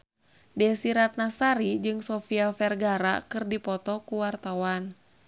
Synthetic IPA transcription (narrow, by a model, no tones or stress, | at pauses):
dɛsiɾat̪̚nasaɾid͡ʒɨŋsɔfiafɛrɡaɾa̰kɨrdipɔt̪ɔkuwart̪awan